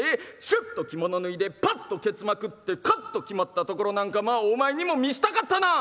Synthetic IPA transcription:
eɕɨt̪ːo̞kʲimo̞no̞nɯ̟id̪e̞pat̪ːo̞ke̞t͡sɨmakɯ̟t̪ːe̞kat̪ːo̞kʲimat̪ːat̪o̞ko̞ɾo̞nãŋkamaːomae̞ɲ̟imo̞mʲiɕi̥t̪akat̪ːana

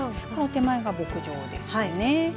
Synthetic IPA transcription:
konot̪e̞maeɡabo̞kɯ̟ʑo̞̰ːd̪e̞̰saine

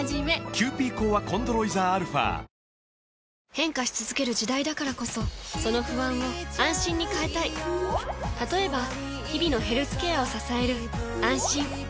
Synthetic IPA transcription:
d͡ʑime̞kʲʰɨːpʲiːkoːβakõ̞nd̪oɾo̞izaːɾɯ̟ɸa̰ː | hẽ̞ŋkaɕi̥t͡sɨzɨke̞ɾɯ̟ʑid̪aid̪akaɾako̞so̞so̞no̞ɸɯ̟βãɰ̃o̞ãɰ̃ɕĩɲ̟ːikae̞t̪ai | t̪at̪o̞e̞ba | çibʲino̞ɦe̞ɾɯ̟t͡sɨ̥kejao̞sasae̞ɾɯ̟ | ãɰ̃ɕĩŋ

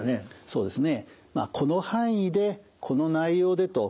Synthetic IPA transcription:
nso̞ːd̪e̞sɨne̞ma̰ːkʰo̞no̞hãɰ̃id̪e̞ | kʰo̞no̞naijo̞ːd̪et̪o̞

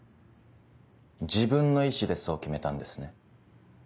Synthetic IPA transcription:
d͡ʑibɯ̟̃nːo̞iɕid̪e̞sokʲime̞t̪ãnd̪e̞sɨ̥ne̞

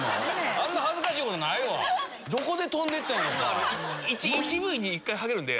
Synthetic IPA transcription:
ãnːahazɨkaɕiːko̞t̪onaiβa̰ | d̪o̞ko̞d̪e̞t̪õnd̪e̞t̪ːãõɡait͡ɕiit͡ɕiβɯ̟iɲ̟iːkːaiɦaɡe̞ɾɯ̟nd̪e̞̰

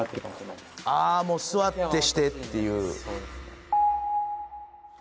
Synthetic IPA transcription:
amoːsɨβat̪ːe̞ɕi̥t̪e̞t̪ːe̞jɯ̟̰ː

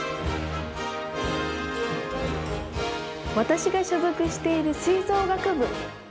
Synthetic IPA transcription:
βat̪aɕiɡaɕozɯkɯ̟ɕi̥t̪e̞iɾɯ̟siːzo̞ːɡakɯ̟bɯ̟

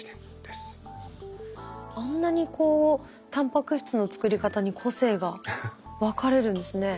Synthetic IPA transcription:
s | ãnːaɲ̟ikʰo̞ː | t̪ãmpakɯ̟ɕi̥t͡sɨno̞t͡sɨ̥kɯ̟ɾʲikat̪aɲ̟ikʰo̞se̞ːɡaβakaɾe̞ɾɯ̟̃nd̪e̞sɨne̞

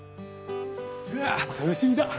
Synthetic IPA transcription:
aot̪anoɕimʲid̪a

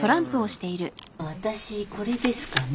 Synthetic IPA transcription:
t̪o̞ɾãmpɯ̟o̞ɕi̥t̪e̞iɾɯ̟βat̪aɕiko̞ɾe̞d̪e̞sɨ̥kan

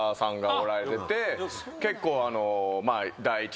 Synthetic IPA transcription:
sãŋɡaoɾaɾe̞t̪e̞t̪e̞ | ke̞kːo̞ːano̞mad̪aiːt͡ɕ

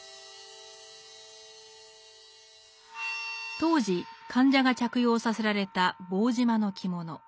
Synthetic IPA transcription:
t̪o̞ːʑikʰãɲ̟d͡ʑaɡat͡ɕakɯ̟jo̞ːsase̞ɾaɾe̞t̪abo̞ːʑimano̞kʲʰimo̞no̞

